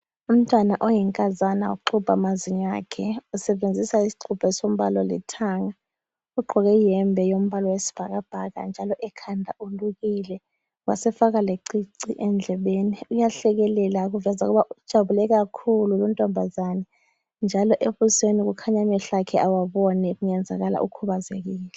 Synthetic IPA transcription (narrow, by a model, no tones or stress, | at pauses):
um̩tʼwanaʔɔjɛŋkʼazanaṵǃʰub̥ʱamaziɲakʰɛusɛɓend͡zʱisaisi̥ǃʰub̥ʱɛsom̩ɓalɔlɛ̰tʰaŋa | uɡ͡ǃʱɔk̬ɛjɛmbʱɛjom̩ɓalɔwesi̥b̥ʱak̬ab̥ʱak̬a̰nd͡ʒʱalɔʔɛkʰandʱauluk̬iːlɛ | wa̰sɛfak̬aleǀiǀiʔɛnd͡ɮʱɛɓeːniujaɬɛk̬ɛlɛlak̬uvɛzak̬uɓaʔud̥ʒ̥ʱaβulɛk̬akʰululɔntʼɔmbʱazanɛ | nd͡ʒʱalɔʔeɓusenik̬ukʰaɲamɛɬakʰɛʔawaɓɔnɛk̬uŋɛnd͡zʱa̰ɣ̬ala̰ʔukʰuɓazek̬iːlɛ